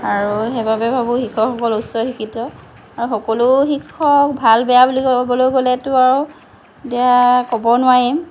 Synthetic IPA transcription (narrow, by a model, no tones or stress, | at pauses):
aɹuɦɛbabɛbʱabʊxikʰɔkxɔkɔlusɔxikʰitɔ | aɹuxɔkɔluxikʰːɔk̚bʱalbɛjabulikbɔlojɡolɛtʊaɹu | etiakɔbɔnʊwaɹim